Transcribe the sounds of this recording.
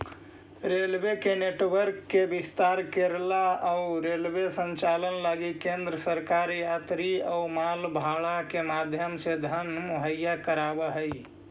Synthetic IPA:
ɾelwekeneːʈwəɾkːebɪst̪aːɾkeɾlaɔʊɾeːlwesə̃ɲt͡ʃaːlənlaɡikẽːnd̪ɾəsəɾkaːɾjaːt̪ɾiɔʊmaːlbʱaːɭakemaːd̪ʱjəmsed̪ʱənmʊɦəjːakəɾaːbəɦəi

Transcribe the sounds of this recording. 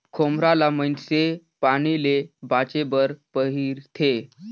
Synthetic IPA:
kʰomɾalamənse | paɽ̃ilebat͡ɕebəɾpəɦiːɾt̪ʰe

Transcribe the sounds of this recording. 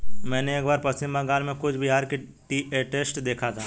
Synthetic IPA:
mɛ̃ːneeːk̚baːɾpɐst̪ɪmbaɡaːlmẽkʊt͡ʃʰbʱɪɦaːɾkeʈiːeʈeːsʈd̪eːkʰat̪ʰaː

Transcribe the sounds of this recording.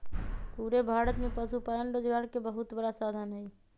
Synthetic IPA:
puːɾebʱaːɾət̪mẽpəsupəɾənɾoːd͡ʒɡaːɾkebəɦʊt̪bəɽasaːd̪ʱanɦɛe

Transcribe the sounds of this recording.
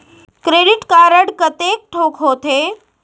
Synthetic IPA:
kɾeːɖɪʈkaɾəɽkɐt̪eːk̚ʈʰoːkʰɦoːt̪ʰeː

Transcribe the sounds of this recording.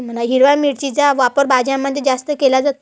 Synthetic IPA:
m̤ənaɦiɾʋamiɽt͡ɕid͡zaʋapəɾbad͡ʑjãmːəd̪ʱjed͡zast̪əkelad͡zat̪o

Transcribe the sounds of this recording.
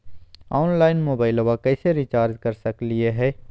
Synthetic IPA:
aːnlaːɪnmoːbaːɪloʋakɛːseɾit͡ʃaːɾd͡ʒkɐɾsɐklieɦɛː

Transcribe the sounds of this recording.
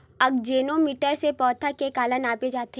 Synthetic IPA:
ɐɡd͡ʒeːnomiːʈəɾsepɔːt̪ʰakekaːlənaːped͡ʒaːt̪e

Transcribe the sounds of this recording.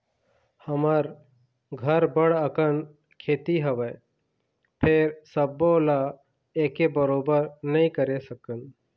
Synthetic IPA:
həməɾ | ɡʱəɾbəɽəkən | kʰeːt̪iɦəʋə | pʰeɾsəbola | eːkebəɾoːbəɾnɐɦĩkəɾesəkən

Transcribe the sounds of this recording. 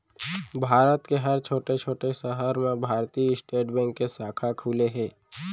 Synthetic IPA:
bʱaːɾət̪keɦəɾt͡ʃʰoːʈet͡ʃʰoːʈesəɦəɾmẽbʱaːɾt̪iɪsʈeːʈbɛ̃ːŋkːesaːkʰakʰuːleɦɛ̃ː

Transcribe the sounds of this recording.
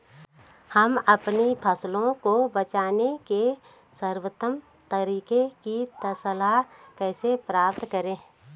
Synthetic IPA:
həmɐpnipʰəslõkobət͡ʃaːneke | səɾwət̪əm | t̪əɾiːkekit̪əsəlakɛːsepɾaːpt̪kəɾẽː

